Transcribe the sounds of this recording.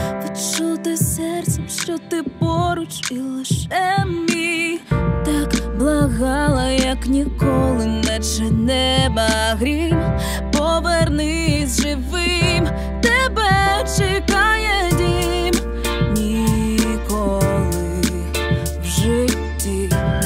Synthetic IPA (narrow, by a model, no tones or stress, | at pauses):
ʋiʃt͡ʃɔt̪ɪsɛrt̪sɛmʃt͡ʃɔt̪ɪpɔɾʊt͡ʃilˠɪʃɛmmʲi | t̪ɑkblˠɐɣɑlˠɐjɐknʲikɔlˠɪnɛt͡ʃɛnɛbɐɣɾʲim | pɔʋernɪ | zʒɪʋɪm | t̪ɛbɛt͡ʃɪkɑjɛdʲi | m | nʲi | kɔlˠɪ | wʒɪtʲːi